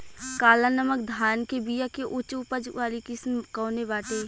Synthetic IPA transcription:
kaːlanəmək̚d̪ʱaːnkebijakeʔʊt͡ʃʊpəd͡ʒʋaːlikɪsmkɔːnebaːʈeː

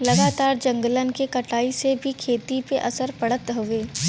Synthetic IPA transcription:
lɐɡaːt̪aːɾd͡ʒɐ̃ŋɡələnkekɐʈʰaːisebʱikʰeːt̪ipeʔɐsəɾpɐɽ̤ət̪ɦoeː

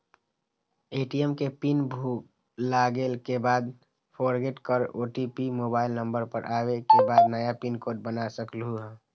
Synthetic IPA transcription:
eːʈijəmkepinbʱuk | laɡeːlkebaːd̪ | pʰoɾɡeʈkəɾo̰ʈipimoːbaːɪlnə̃mbəɾpəɾʔaːwekebaːd̪nəjapinkoːʈ̚bənasəklɦuɦɛ̃ː

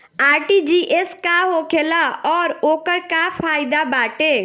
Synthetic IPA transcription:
aːɾʈid͡ʒiʔeskaɦoːkʰelaɔːɾoːkəɾkapʰaːɪd̪abaːʈe

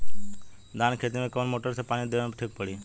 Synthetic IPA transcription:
d̪aːnkʰeːt̪imẽkoːnmoːʈəɾsepaːɽ̃id̪eʋɽ̃ʈʰik̚pəɽiː

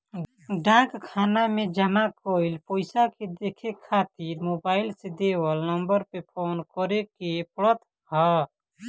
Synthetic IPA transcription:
ɖãːkkʰaːnamẽd͡ʒəmakoilpoɪsaked̪ekʰekʰaːt̪iɾmoːbaːɪlsed̪eːwəlnəmbəɾpepʰoːnkɔɾekepɾət̪ | ɦɔ

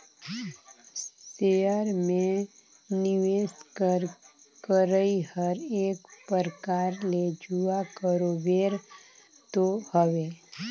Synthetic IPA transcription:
seəɾmẽ | nɪʋeːs | kəɾəihəɾeːkpəɾkaːɾled͡ʒuakəɾobeːɾ | t̪ohəʋe

